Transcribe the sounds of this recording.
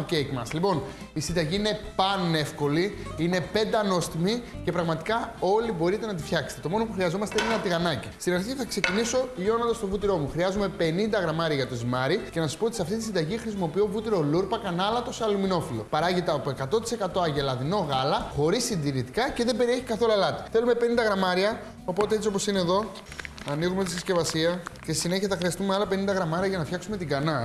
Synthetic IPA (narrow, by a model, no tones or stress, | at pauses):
cekmɐslipo̞n | isind̪ɐʝiine̞pɐne̞fko̞li | ine̞pe̞nd̪ɐno̞st̪imice̞pɾɐɣmɐt̪i̥kɐo̞libo̞ɾit̪e̞nɐt̪ifçɐkse̥t̪et̪o̞nopuxɾiɐzo̞mɐst̪einenɐt̪iɣɐnɐci̥st̪inɐnçiceθɐkse̞ciniso̞ʎo̞nɐnd̪ɐst̪ovut̪iɾo̞muxɾiɐzume̞pe̞nind̪ɐɣɾɐmɐɾiɐʝɐt̪o̞zimɐɾice̞nɐsɐspot̪isɐft̪it̪isind̪ɐʝixɾisimo̞piovut̪iɾo̞luɾpɐkɐnɐlɐt̪o̞sɐlumino̞filo̞̰pɐɾɐʝit̪ɐopue̞kɐt̪o̞t̪i̥se̞kɐt̪o̞ɐʝelɐðino̞ɣɐlɐxo̞ɾisind̪iɾit̪ikɐce̞ðe̞mbe̞ɾie̞çi̥kɐθo̞luɐlɐt̪i̥θe̞lume̞pe̞nind̪ɐɣɾɐmɐɾiɐ | opo̞t̪ee̞t͡sio̞po̞sineðo̞ | ɐniɣumet̪isisce̞vɐsiɐcesisine̞çiɐθɐxɾiɐst̪umeɐlɐpe̞nind̪ɐɣɾɐmɐɾiɐʝɐnɐfçɐksume̞t̪iɡɐnɐ